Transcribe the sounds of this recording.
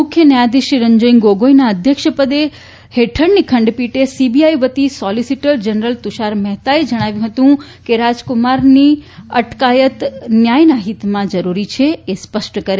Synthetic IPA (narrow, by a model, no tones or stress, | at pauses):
mʊkʰjənjad̪iʃɾiɾəɲd͡ʒəiŋɡoɡojnaəd̪ʱjəkʃəpəd̪e | heʈʰəɽnikʰəɳɖpiʈesibiajʋət̪isɔlisiʈəld͡ʒənɾəlt̪uʃaɾmɛɦt̪aed͡ʒəɽ̃aʋjũɦət̪ũ | keɾad͡ʒkʊmaɾniəʈkajət̪njajnaɦit̪mãd͡ʒəɾuɾit͡ʃʰeespəʃʈəkəɾe